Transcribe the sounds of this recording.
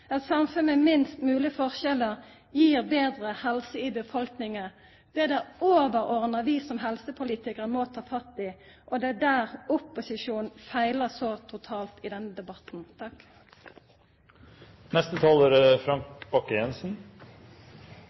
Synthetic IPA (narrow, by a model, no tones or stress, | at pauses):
ɛt̪sɑmfʉnəmɪnst̪mʉːlɪəfɔʁʃɛləʁ | jiːʁbeːd̪ʁəhɛlsəɪbəfɔlknɪŋə | d̪̥ɛd̪ɛoːʋəɾɔʁnəʁʋɪsɔmɦɛlsəpʰʊliːt̪ɪkəɾəmɔt̪ʰɑːfɑt̪ːɪ | ʔɔd̪ɛd̪æːʁʊpːʊsɪʂuːnnfæɪləsɔt̪ʰʊt̪ʰɑːlt̪ɪd̪ɛnːəd̪ɛbɑt̪n̩t̪ʰɑk | nɛst̪ət̪ʰɑːləɾfɾɑŋkb̥ɑkːəjɛnsn̩